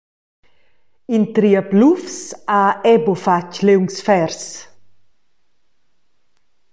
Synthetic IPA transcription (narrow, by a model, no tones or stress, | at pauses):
int̪ɾiaplufsaɛbofat͡ʃlewŋsfɛɾs